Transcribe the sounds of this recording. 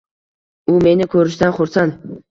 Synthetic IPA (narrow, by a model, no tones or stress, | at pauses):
ʊme̞nɪkʰɵɾɪʃd̪anχʊɾsan